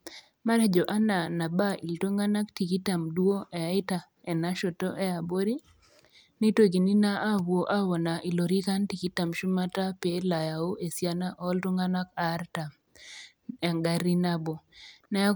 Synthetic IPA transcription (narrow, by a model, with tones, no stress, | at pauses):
ma˦ɾɛ˦d͡ʒo˨ʔa˦na˨na˨ba˦ʔḭ˨lto˦ŋa˦na˦kti˨ki˦ta˨mdwo˦ɛ˨a˨˦ɪ˦ta˨ | ɛ˨na˦ʃo˨to˦ʔɛ˦a˨bo˦ɾi˦ | ni˦to˦˨ɡi˨ni˦na˦ʔa˦wo˨ʔa˦wɔ˨na˨ʔi˨lo˨ɾi˦ka˦nti˨ki˦ta˨mʃu˦ma˦ta˦pe˦la˨ja˨o˦ʔe˨sja˦na˦ʔɔ˦lto˦ŋa˦na˦ka˨˦ɾta˨m | ɛ˨ŋɡa˨ɾi˦na˦bo˨nɛ˦